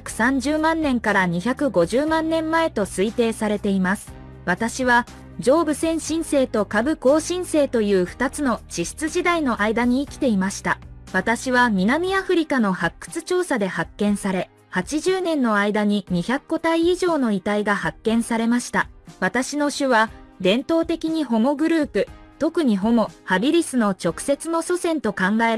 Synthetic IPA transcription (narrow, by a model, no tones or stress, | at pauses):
kɯ̟̥sãɲ̟d͡ʑɨːmãnːẽ̞ŋkaɾaɲ̟içakɯ̟ɡo̞ʑɨːmãnːẽ̞mːae̞t̪o̞sɨit̪e̞ːsaɾe̞t̪e̞imasɨ̥ | β̞at̪aɕiβa | d͡ʑo̞ːbɯ̟sẽ̞ɰ̃ɕĩɰ̃se̞ːt̪o̞kabɯ̟ko̞ːɕĩɰ̃se̞ːt̪o̞jɯ̟ːɸɯ̟̥t̪at͡sɨno̞t͡ɕiɕi̥t͡sɨʑid̪aino̞ʔaid̪aɲ̟iːkʲi̥t̪e̞imaɕi̥t̪aβat̪aɕiβamʲinamʲiaɸɯ̟ɾʲikano̞hakːɯ̥t͡sɨ̥t͡ɕo̞ːsad̪e̞hakːẽ̞ɰ̃saɾe̞ | hat͡ɕiʑɨːnẽ̞nːo̞aid̪aɲ̟iɲ̟içʲakːo̞t̪aiːʑo̞ːno̞it̪aiɡahakːẽ̞ɰ̃saɾe̞maɕi̥t̪aβat̪aɕino̞ɕɨβad̪ẽ̞nt̪o̞ːt̪e̞kʲiɲ̟iɦo̞mo̞ɡɯ̟ɾɯ̟ːpɯ̟ | t̪o̞kɯ̟ɲ̟iɦo̞mo̞habʲiɾʲisɨno̞t͡ɕo̞kɯ̟̥se̞t͡sɨno̞so̞sẽ̞nt̪o̞kãŋɡae